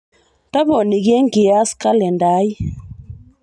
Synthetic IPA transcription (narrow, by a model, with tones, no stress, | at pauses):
ta˦βɔ˨ni˨ɣjɛ˦ŋɡi˨a˦ska˦lɛ˨nda˨˦ji˦